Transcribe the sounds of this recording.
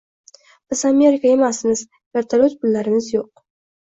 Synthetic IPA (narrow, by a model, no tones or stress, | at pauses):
b̥ɪzame̞ɾɪkae̞masmɪz̥ | veɾt̪ʰalot̪pʊlːaɾɪmɪzjoq̚